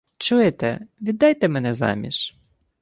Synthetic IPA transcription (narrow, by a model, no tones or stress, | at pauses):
t͡ʃujet̪ɛʋʲid̪ːɑjt̪ɛmɛnɛzɑ̰mʲḭʃ